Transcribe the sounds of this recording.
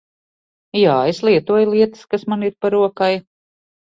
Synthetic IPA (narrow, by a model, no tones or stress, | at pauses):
jaːeslˠiɛt̪uɔjlˠiɛt̪ɨ̥skasmaniɾpaɾuɔkaj